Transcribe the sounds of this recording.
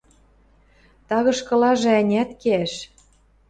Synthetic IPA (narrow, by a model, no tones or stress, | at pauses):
t̪ɑɣɤ̆ʃkɤ̆lɑʒɤ̆ænʲæt̪keæʃ